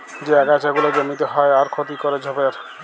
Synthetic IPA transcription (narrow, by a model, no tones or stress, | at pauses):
d͡ʑeɛkat͡ʃaɡulod͡ʒomit̪oɦɔeaɾkʰot̪ikɔɾed͡ʑʱɔbeɾ